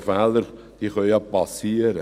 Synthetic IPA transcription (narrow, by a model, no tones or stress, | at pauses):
fɛːləɾ | d̥iːχœʏɑpɑsiːəɾə